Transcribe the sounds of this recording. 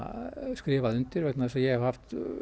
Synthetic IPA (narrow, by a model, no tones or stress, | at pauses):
skɾɪːʋaðʏnt̪ɪɾvɛt̪naðsɔjɛhavhaft̪